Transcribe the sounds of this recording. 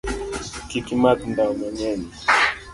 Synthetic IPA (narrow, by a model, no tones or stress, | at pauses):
kikimakndaumɔɲɛni